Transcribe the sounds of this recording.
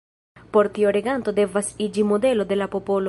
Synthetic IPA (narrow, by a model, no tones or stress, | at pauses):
poɾt̪ioɾeɡant̪od̪evasid͡ʒimod̪elod̪elapopolo